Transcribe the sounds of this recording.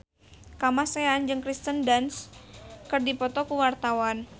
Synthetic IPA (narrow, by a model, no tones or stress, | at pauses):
kamaseand͡ʒɨŋkɾist̪əndanskɨrdipɔt̪ɔkuwart̪awan